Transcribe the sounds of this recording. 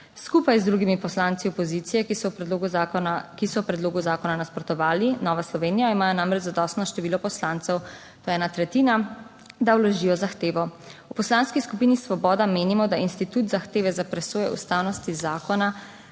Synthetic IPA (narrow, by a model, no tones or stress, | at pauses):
skupajzd̪ɾuɡimipɔslaːnt̪siɔpɔzit̪sijɛoɡukisɔwpɾɛd̪loːɡuzaːkɔnanaspɾɔt̪ɔʋaːlinɔːʋaslɔʋeːnijaimaːjɔnamɾɛt͡ʃzad̪ɔst̪nɔʃt̪ɛʋiːlɔpɔslaːnt̪sɛw | t̪oːjɛɛːnat̪ɾɛt̪iːna | d̪awlɔʒiːjɔzaxt̪eːʋɔ | upɔslanskiskupiːnisʋɔbɔːd̪ameːnimɔd̪ainst̪it̪ut̪zaxt̪eːʋɛzapɾɛsoːjɛ̰ṵst̪awnɔst̪izaːkɔna